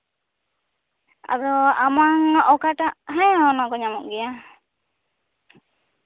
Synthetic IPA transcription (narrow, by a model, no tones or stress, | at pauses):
a̰dɔamaŋaʔɔkaʈaʔɦãjaɔnakɔɲamɔʔɡɛja